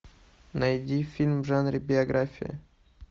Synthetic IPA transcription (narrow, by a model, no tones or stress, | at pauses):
nɐjdʲifʲilʲmvʐanɾʲɪbʲɪɐɡɾʔafʲɪ̰jɪ̰